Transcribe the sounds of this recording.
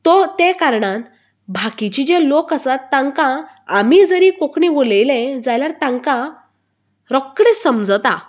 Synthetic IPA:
t̪ɔt̪ɛkaɾɳãt̪ | bʱakit͡ɕid͡ʑalokəsat̪ːãŋkãː | mid͡zəɾikokɳiʋolejlẽd͡zajljaɾt̪ãŋkã | ɾɔkːɽesəmd͡zət̪a

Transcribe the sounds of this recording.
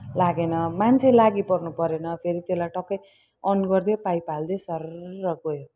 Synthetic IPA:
laɡenʌmant͡sʰelaɡipʌrnupʌɾenʌpʰeɾit̪elajʈʌkːʌj | ʌnɡʌrd̪epajpald̪esʌrʌɡojo

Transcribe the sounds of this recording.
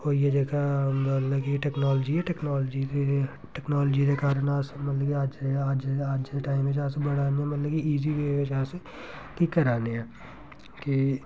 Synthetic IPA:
oːjed͡ʒeːkʰamət̪ləkiʈɛːknɔːld͡ʒiɛʈɛːknaːld͡ʒie | ʈɛːknaːld͡ʒid̪ekaːɾənaːsemɐt̪ləkiad͡ʒead͡ʒaːd͡ʒeʈaːɪmʋɪd͡ʒaːsebəɽaːneɛmət̪ləkiiːziʋeʋɪt͡ʃaːse | kikəɾaːneɛː | ki

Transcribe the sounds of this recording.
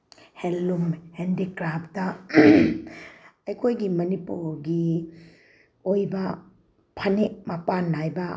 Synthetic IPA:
helːumhendikɾap̚ʰtɐ | ɐjkʰojɡimɐnipuɾɡi | ojbɐ | pʰɐnek̚mɐpanajbɐ

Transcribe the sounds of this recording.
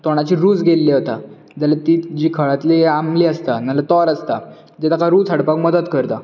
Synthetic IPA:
t̪oɽ̃at͡ɕiːɾuːd͡zɡʱelːeɦot̪a | d͡ʑalat̪iːd͡ʑiːkʰəɭat̪leamliːəst̪analət̪ɔɾəst̪a | d͡ʑet̪akaɾuːt͡sʰəɽpakməd̪ət̪kəɾt̪a

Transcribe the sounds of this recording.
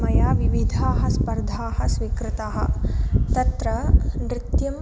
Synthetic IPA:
mɐjaːʋiʋid̪ʱaːɦɐspɐɾd̪ʱaːɦɐsʋikɾɪt̪aːɦɐ̰̆t̪ɐt̪ɾɐnɾɪt̪jɐm

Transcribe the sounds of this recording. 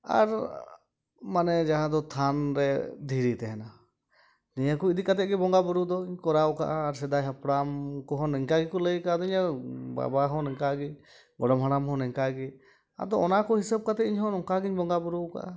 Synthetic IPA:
a̰ɾ | manɛd͡ʒaɦãd̪ɔt̪ʰanɾɛd̪ʱiɾit̪ɛɦɛna | niɲakɔid̪ikat̪ɛt̪̚ɡɛbɔŋɡabuɾud̪ɔiɲkɔɾawka̰ʔaːɾsɛd̪ajɦapɽamkɔɦɔ̃nɛŋkaɡikɔləjkaad̪ɔiɲaba̰baɦɔ̃nɛŋkaɡi | ɡɔɖɔmɦaɽamɦɔ̃nɛŋkaɡi | a̰d̪ɔɔnakɔhisəb̚kat̪ɛiɲɦɔ̃nɔŋkaɡiɲbɔŋɡabuɾuka̰ʔa

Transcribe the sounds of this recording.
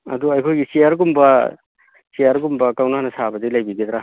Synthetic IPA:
ɐ̰duajkʰojɡisiaɾɡumba | sijaɾɡumbakawnanɐsabɐdilajbidid̪ɾa

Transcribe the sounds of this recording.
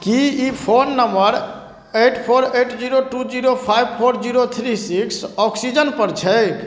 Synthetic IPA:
kiipʰonːəmbəɾ | eʈpʰoɾeʈd͡ʒiɾoʈud͡ʒiɾopʰajbpʰoɾd͡ʒiɾot̪ʰɾisiksɔksid͡ʒənpəɾt͡ʃʰɛj

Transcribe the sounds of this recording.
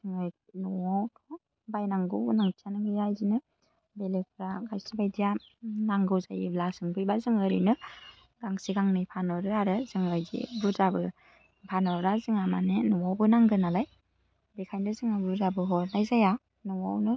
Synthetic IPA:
z̥ɯŋɯj | nɔwawtʰɔ | bajnaŋɡɯwnaŋtʰijanɯŋɡɯzajzinɯ | belepʰɯɾaɡajsibajdija | naŋɡɯwzajiblasɯŋbɯjbazɯŋɯɾɯ̰nɯ | ɡ̥aŋsiɡaŋnɯjpʰanɔɾɯaɾɯzɯŋɯjzḭbuzabɯ | pʰanɔɾazɯŋamanenɔwawbɯnaŋɡɯnalaj | bekʰajndɯzɯŋabuzabɯɦɔɾnajzaja | nɔwawnɯ

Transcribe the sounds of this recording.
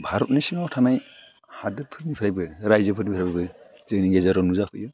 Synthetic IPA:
bʱaɾɔp̚nisiŋawtʰamaj | hadɯd̚pʰɯɾnipʰɾajbɯɾajzɯpʰɯɾnipʰɾajbɯbɯ | zɯŋniŋɡezaɾɔnuzapʰɯ̰jɯ

